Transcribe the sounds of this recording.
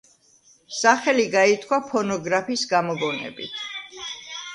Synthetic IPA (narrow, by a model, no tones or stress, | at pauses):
saχɛliɡait̪ʰkʰwapʰɔnɔɡɾapʰiːsɡamɔɡɔnɛ̰bḭt̪ʰ